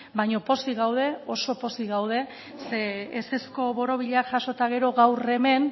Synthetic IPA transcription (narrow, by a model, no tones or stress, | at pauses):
baɲo̞po̞siɣawð̞e̞o̞so̞po̞siɣawð̞e̞ | seːse̞sko̞βo̞ɾo̞β̞iʎeakʝaʃo̞t̪aɣ̞e̞ɾo̞ɣawre̞me̞n